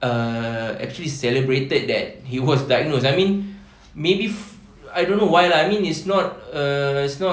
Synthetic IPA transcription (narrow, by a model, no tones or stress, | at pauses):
ʌɛ̰k̚t͡ʃuəlisɛləbɹetəd̚dɛt̚hiwɔsdaɡ̚nos̬ajmĩn | mebif | ajdõnːowajlaajmĩnitsnɔt̚ʌitsnɔ